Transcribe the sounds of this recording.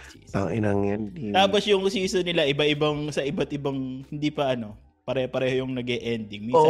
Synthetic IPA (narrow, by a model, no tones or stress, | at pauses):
t̪a̰ŋʔɪnaŋand̪it̪aːpɐsjʊŋsiːsɐnɪlaʔɪbɐɪbaŋsɐʔɪbɐt̪̚ʔɪbaŋhɪnd̪ipɐʔɐno̞ | pɐɾɛːhopɐɾɛːhojʊŋnɐɡɛʔɛnd̪ɪŋmi